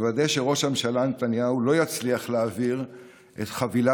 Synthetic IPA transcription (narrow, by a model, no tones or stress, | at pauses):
vad̪ejʃe̞ʁo̞ʃhamʃalanet̪anjaulo̞jat͡sliaχleːviʁ | ʔet̪χavila